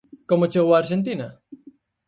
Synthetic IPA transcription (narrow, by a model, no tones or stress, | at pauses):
komot͡ʃewaːɾʒent̪̬ina